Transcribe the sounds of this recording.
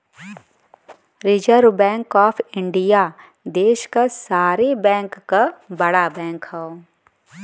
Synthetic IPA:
ɾɪd͡ʒəɾbɛ̃ːŋkɔːpʰɪ̃ɳɖija | d̪eːʃkasaːɾebɛ̃ːŋkːabɐɽabɛ̃ːŋkhɛo

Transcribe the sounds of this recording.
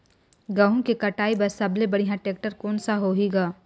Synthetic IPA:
ɡaːɦũkikɐʈaːibɐɾsɐblebɐɽiɦãʈeːk̚ʈəɾkɔːnsaɦoːɦiɡaː

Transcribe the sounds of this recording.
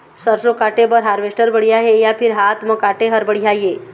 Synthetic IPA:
səɾsokaʈebəɾɦaːɾʋesʈəɾbəɽjaɦejapʰɪɾɦat̪mə̃kaʈeɦəɾbəɽijaje

